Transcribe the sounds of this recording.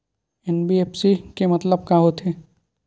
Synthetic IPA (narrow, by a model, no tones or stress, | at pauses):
ɛnbieːpsikemɐt̪ləb̚kaɦot̪ʰeː